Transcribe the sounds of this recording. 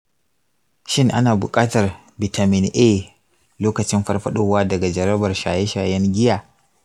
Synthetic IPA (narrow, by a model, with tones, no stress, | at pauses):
ʃɪ˦ŋʔa˦naː˨bʊ̰˨kʼaː˦tɐ˨r | bɪ˨ta˨mɪ˦˨nʔeː˦˨ | loː˦kɐ˨t͡ʃɪ˦mɸɐ˦rɸɐ˦ɗoː˦˨waː˦dɐ˨ɡa˨d͡ʒɐ˨ɾɐ˦bɐ˨rʃaː˨je˦ʃaː˨jɛ˦ŋɡʲɪ˦jaː˨